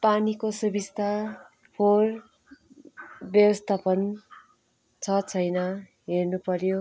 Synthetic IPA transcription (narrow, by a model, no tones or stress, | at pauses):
panikosʌbist̪ʰa | pʰor | bjʌbʌst̪ʰapʌn | t͡sʰʌt͡sʰʌjnʌ | ɦernupʌɾjo